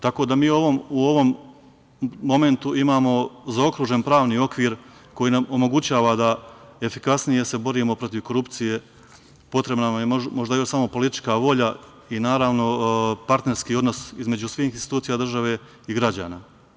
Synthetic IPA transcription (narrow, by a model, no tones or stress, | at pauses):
t̪ako̞ːd̪amiːo̞ʋo̞muo̞ʋo̞m | o̞me̞nt̪uimaːmo̞zao̞kɾuːʒe̞npɾaːʋniːo̞kʋiːɾ | ko̞jiːnamo̞mo̞ɡut͡ɕaːʋad̪ae̞fikasnije̞se̞bo̞ɾiːmo̞pɾo̞t̪iʋko̞ɾupt̪sije̞ | po̞t̪ɾebnamjemo̞ʒd̪ajo̞ʃsamo̞po̞lit̪i̥t͡ʃkaʋo̞ʎa | inaːɾaːʋno̞paɾt̪ne̞ɾskiːo̞d̪no̞sizme̞d͡ʑusʋiːxinsit̪uːt̪ijad̪r̩ʒaʋe̞ | iɡɾad͡ʑa̰ːnaː